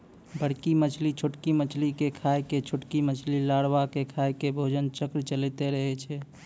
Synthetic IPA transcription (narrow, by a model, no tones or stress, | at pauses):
bʱəɽkimət͡ʃʰlit͡ʃʰoʈkimət͡ʃʰlikekʰajket͡ʃʰoʈkimət͡ʃʰlilaɽwakekʰajkebʱod͡ʒənt͡ʃəkɾt͡ʃəlit̪eɾəɦɛt͡ʃʰɛ